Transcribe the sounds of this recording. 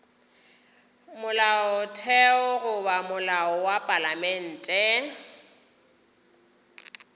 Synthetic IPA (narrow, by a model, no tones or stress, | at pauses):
mʊlaɔtʰɛɔɣʊbamʊlaɔwapʼalamɛn̩ːtʼɛ